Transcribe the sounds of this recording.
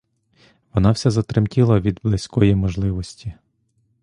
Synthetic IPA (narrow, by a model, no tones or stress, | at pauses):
ʋɔnɑwsʲɛzɐt̪ɾɪmtʲilˠɐʋʲid̪blˠɪsʲkɔjimɔʒlˠɪʋɔsʲtʲi